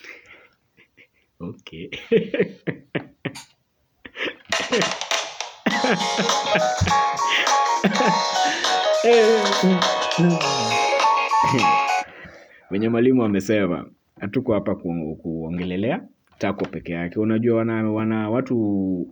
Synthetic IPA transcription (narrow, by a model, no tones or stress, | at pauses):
ɔkʰɛ | ɛ | wɛɲɛmwalimuamɛsɛma̰ | hatukɔhapakkuɔŋɡɛlɛlɛa | takɔpɛkɛjakɛunaʄuawanawanawatu